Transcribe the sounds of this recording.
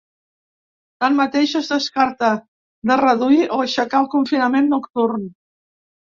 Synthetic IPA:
t̪anmət̪eʃəzðəskaɾt̪ə | d̪ərəðuiʔoəʃəkaəlˠkuɱfinəmenːukt̪urn

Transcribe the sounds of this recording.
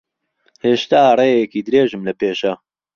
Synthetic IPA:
heːʃt̪aːreːjɛkiːd̪ɨɾeːʒɨmlɐpeːʃɐ

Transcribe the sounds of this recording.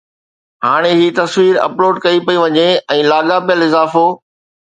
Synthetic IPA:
ɦaːɽ̃eɦiːt̪ɐsʋiːɾɐ̰ploːɖkɐipɐiʋɐɲeɛ̃ːlaːɠapijəlɪzaːfoː

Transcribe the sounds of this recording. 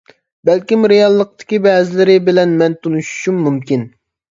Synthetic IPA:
bɛlkʲimɾejɑlˠːəq̚t̪ʰɪ̥kʲibɛːzɪlɪɾɪbɪlɛnmɛnt̪ʰonuʃu̥ʃumːumkʲin

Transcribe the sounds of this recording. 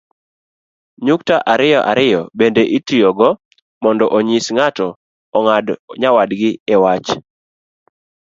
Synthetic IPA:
ɲuktaʔaɾɪjɔʔaɾɪjɔbendeʔitijoɡɔ | mɔndɔʔoɲisŋatɔ | ŋdɲawadɡɪɛwat͡ʃ

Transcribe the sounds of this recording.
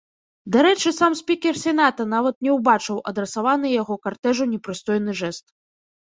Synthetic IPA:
d̪aɾɛt͡ʂɨsamsʲpʲikʲɛrsʲɛnat̪ɐnavɐt̪nʲɛwbat͡ʂɨwʔɐd̪ɾɛsavanɨjaɣɔkart̪ɛʐunʲɛpɾɨst̪ɔjnɨʐɛst̪

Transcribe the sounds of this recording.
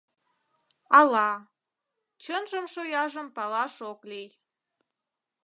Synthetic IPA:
ɑlɑ | t͡ɕənʒəmʃojɑʒəmpɑlɑʃoklij

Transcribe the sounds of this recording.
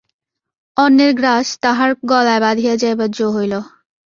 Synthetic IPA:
ɔnːeɾɡɾaʃt̪aɦaɾɡɔlaebad̪ʱijad͡ʑajbad͡ʑoɦojlo

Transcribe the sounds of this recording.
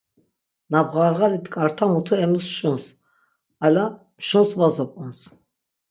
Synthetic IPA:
nabʁaɾʁalit̪ʰkʼaɾt̪ʰamut̪ʰuɛmusʃuns | ala | mʃunsvazɔpʼɔns

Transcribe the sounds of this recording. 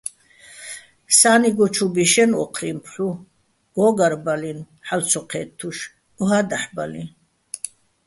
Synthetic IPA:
saːniɡɔt͡ʃʰubiʃɛnɔ̰qʰɾimpʰħu | ɡɔːɡaɾbalin | ħalt͡sʰɔqʰɛt̪ʰːuʃ | uɦad̪aħbalḭ

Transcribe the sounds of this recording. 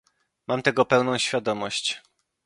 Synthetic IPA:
mamt̪ɛɡɔpɛwnɔ̃w̃ɕfʲjad̪ɔmɔɕt͡ɕ

